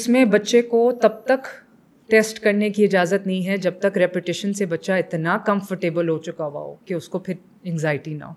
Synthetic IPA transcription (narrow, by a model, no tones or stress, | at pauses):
ɪsmẽbɐtːʃekot̪ɐb̚t̪ɐk | ʈeːsʈkɐɾnekiɪd͡ʒaːzət̪nɐɦĩɦɛd͡ʒɐb̚t̪ɐkɾɛːpɪʈɪʃənsebɐtːʃaɪt̪nakɐ̃mfəɾʈeːbəlɦot͡ʃʊkaʋa̰ɦo̰ːkeʊskopʰɪɾ | ɛ̃ŋzaːɪʈina̰ɦo̰ː